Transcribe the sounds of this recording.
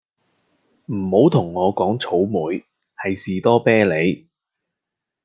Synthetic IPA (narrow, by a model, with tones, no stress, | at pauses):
m̩˨˩ho˨˥wt̪ʰʊ˨˩ŋːɔː˨˧kɔː˨˥ŋt͡sʰo˨˥wmuː˨˧j | hɐ˨jsiː˨t̪ɔː˥pɛː˥le˨˧j